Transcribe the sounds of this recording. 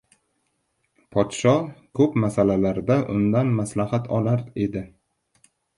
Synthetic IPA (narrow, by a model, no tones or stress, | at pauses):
pʰɒt̪ʃɒkʰɵpmasalalaɾd̪aʔʊ̰nd̪anmaslahat̪ʰɒlaɾed̪ɪ